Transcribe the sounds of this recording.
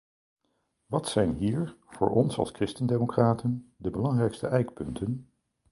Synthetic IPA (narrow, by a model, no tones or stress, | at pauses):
ʋɑtsɛjnɦiːɹv̥ʊ̰ːɹʔɔnsɑ̰lˠskrɪstəndeːmokraːtʰəndəbəlɑŋrɛjkstəʔɛjkpɵntʰən